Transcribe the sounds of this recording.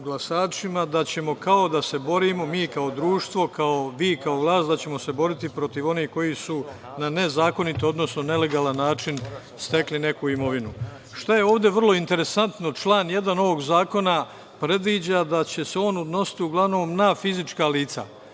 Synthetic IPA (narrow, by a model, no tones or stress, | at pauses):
ɡlˠasaːt͡ʃimad̪at͡ɕe̞mo̞kao̞d̪ase̞bo̞ɾimo̞miːkao̞d̪ɾuːʃt̪ʋo̞kao̞ʋiːkaoʋlˠaːst̪d̪at͡ɕe̞mo̞se̞bo̞ɾit̪ipɾo̞t̪iʋo̞nihko̞jisu | nane̞zaːko̞nit̪ood̪no̞snonele̞ɡalanːaːt͡ʃin | st̪e̞kline̞kuimo̞ʋinu | ʃt̪aje̞o̞ːʋd̪e̞ʋərlˠo̞int̪e̞ɾe̞sant̪no̞t͡ʃlaːnje̞d̪ano̞ʋo̞ɡzaːko̞na | pɾe̞d̪ʋiːd͡ʑad̪at͡ɕe̞se̞o̞ːnud̪no̞si̥t̪iuɡlˠaʋno̞ːmnafizit͡ʃkaliːt̪sa̰